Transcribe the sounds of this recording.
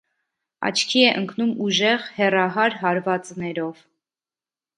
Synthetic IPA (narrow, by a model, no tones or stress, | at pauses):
ɑ̰t͡ʃʰkʰiɛʔəŋkʰnumuʒɛʁhɛrɑɦɑɾɦɑɾvɑt͡snɛɾɔv